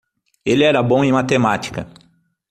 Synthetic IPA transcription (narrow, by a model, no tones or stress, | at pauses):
elɪɛɾɐbõw̃ẽmat̪emat͡ʃi̥kɐ̰